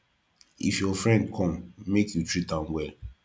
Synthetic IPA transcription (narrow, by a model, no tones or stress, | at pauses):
ifjɔfɹɛ̃ndkʰɔ̃mːekjutɹit̚ãnwɛl